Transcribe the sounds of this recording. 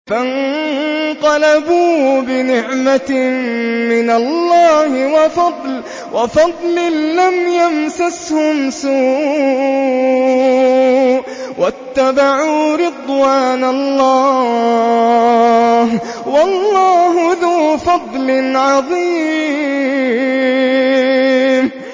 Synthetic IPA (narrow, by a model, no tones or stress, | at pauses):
fan | qɑlabuːbɪnɪʕmaː | ɪnalːɑːhɪwɑfɑd̪ˤl | wʔɑfɑd̪ˤlɪlamjamsashʊmsuː | wʔat̪ːabaʕuːɾɪd̪ˤwaːnalːɑː | h | wɑlːɑːɦʊðuːfɑd̪ˤlɪnʕɑðˤiː | m